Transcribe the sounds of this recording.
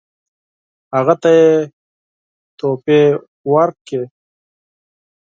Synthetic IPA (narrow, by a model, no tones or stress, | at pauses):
aɣat̪aje | t̪ope | waɾk̚ke